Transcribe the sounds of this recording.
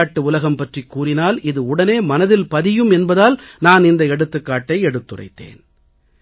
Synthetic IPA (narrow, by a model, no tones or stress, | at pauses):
ʈːɯʊlɐɣɐmpɐʈrikːuːrɪnaːlɪðɯʊɽɐneːmɐnɐðɪlpɐðɪjɯmɛnbɐðaːlnaːnɪnd̪ɐɛɽɯt̪ːɯkːaːʈːɐɪɛɽɯt̪ːɯrɐ̰ɪt̪ːḛːn